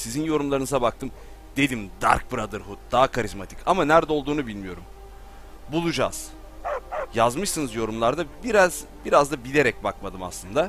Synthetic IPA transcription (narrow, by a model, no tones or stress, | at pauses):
sizinjo̞ɾumlˠaɾɯnɯzabakt̪ʰɯm | d̪̥e̞d̪ʲimd̪a̰ɾk̚bɯɾad̪ɯɾɦut̪̚d̪aːakʰaɾizmat̪ʰi̥camanæɾd̪ɛo̞lˠd̪uːnubilʲmijo̞ɾum | bulˠud͡ʒa̰ːz̥ | jazmɯʃsɯnɯzjo̞ɾumlˠaɾd̪abiɾazbiɾazd̪abilʲe̞ɾɛc̚bakmad̪ɯma̰slˠɯnd̪a